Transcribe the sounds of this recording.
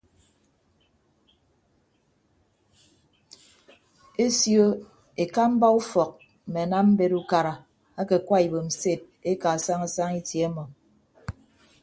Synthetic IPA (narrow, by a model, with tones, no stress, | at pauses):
e˦sjo˦ | e˨ka˦m̩˦ba˦u˦fɔ˨k̚ | m̩˨me˨a˨na˦m̩˦be˦ɾu˦ka˨ɾa˨ | a˦ke˨kwa˦i˨bo˨m̩˨se˦˨t̚e˦ka˨a˨sa˦ŋa˦sa˦ŋi˦tje˨˦a˦mɔ˨